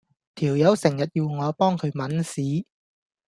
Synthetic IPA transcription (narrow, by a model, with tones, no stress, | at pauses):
t̪ʰiː˨˩wjɐ˨˧˥wsɪ˨˩ŋjɐ˨t̚jiː˧wŋɔː˨˧pɔː˥ŋkʰɵ˨˧ɥmɐ˨˥nsiː˨˥